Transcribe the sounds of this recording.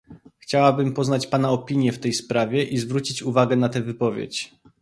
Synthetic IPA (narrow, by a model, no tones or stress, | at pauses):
xt͡ɕawabɘmpɔznat͡ɕpanaɔpʲiɲjɛft̪ɛjspɾavʲjɛʔizvɾut͡ɕit͡ɕuvaɡɛnat̪ɛvɘpɔvʲjḛt͡ɕ